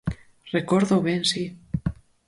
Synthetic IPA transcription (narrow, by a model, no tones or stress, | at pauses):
rekoɾðoβensi